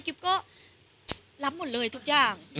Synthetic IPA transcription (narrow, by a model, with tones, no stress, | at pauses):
ki˧˩˦p̚kɔ˦˥ | laː˨˦mːo˨˩t̚ləː˨˩jt̪ʰu˨˩k̚t͡ɕaː˧˩ŋ